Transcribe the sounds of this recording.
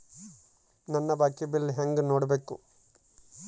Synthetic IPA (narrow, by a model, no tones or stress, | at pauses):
nɐnːɐbaːkːibilɦeŋɡnoːɽɐbeːkṵ